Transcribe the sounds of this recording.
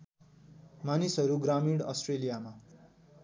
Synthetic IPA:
manisʌɾuɡɾamiɽʌ̰sʈrelijama

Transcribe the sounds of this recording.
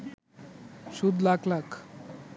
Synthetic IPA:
sud̪laɡlak

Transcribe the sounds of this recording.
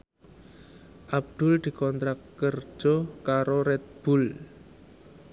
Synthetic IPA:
ʔab̚d̪̥ʊ̤ld̪̥i̤kɔnt̪ɾakːər̥d͡ʒ̥ɔkaɾoɾɛt̪̚b̥ʊl

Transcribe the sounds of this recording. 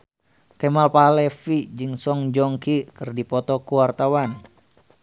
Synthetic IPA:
kɛmalpalɛfid͡ʒɨŋsɔŋd͡ʒɔŋkikɨrdipɔt̪ɔkuwart̪awan

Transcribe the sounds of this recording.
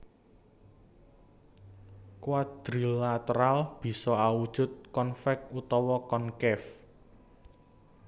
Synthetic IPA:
kuwad̪̥ɾilat̪əɾalb̥i̤sɔawud̥ʒ̥ʊ̤t̪̚kɔnfɛk̚ut̪ɔwɔkɔnkɛf

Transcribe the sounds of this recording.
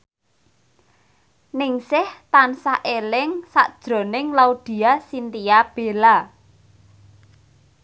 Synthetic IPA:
nɪŋsɪht̪ansaʔelɪŋsa̰ʔd̥ʒ̥ɾo̤nɪŋlaud̪̥i̤asint̪ijab̥e̤la

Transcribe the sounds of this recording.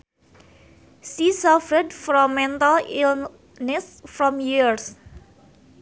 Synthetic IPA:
sisafɛdfɾɔmːɛnt̪alil | nɛsfɾɔmjiɹs

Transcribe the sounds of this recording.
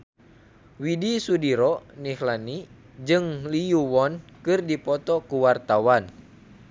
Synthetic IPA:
widisudiɾɔnihlani | d͡ʒɨŋliuwɔnkɨrdipɔt̪ɔkuwart̪awan

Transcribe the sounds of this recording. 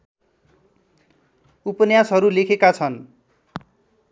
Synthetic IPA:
upʌnjasɦʌɾulekʰekat͡sʰʌn

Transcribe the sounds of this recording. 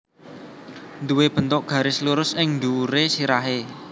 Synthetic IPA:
nd̪uweb̥ə̤nt̪ʊʔɡ̥ä̤ɾesluɾʊsɪŋnd̪uuɾesiɾaɦe

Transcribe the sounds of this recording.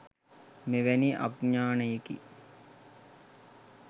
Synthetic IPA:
meʋæniʔa̰ɡɲaːnəjekḭ

